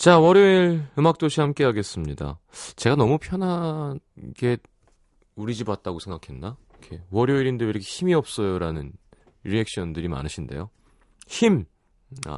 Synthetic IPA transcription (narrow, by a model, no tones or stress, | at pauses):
t͡ɕawʌɾjoiɾɯmak̚t͈oɕʰihamk͈e̞ɦaɡe̞s͈ɯmɲida̰ | t͡ɕe̞ɡanʌmupʰjʌnɦa | ɡ̥e̞ | uɾid͡ʑibat̚t͈aɡosʰeŋɡakʰe̞nːa | kʰe̞wʌɾjoiɾindɯiɾʌkʰe̞çimiʌp̚s͈ʌjoɾanɯn | iɾek̚ɕ͈ʌndɯɾima̰nɯɕʰinde̞̰jo | çim | a̰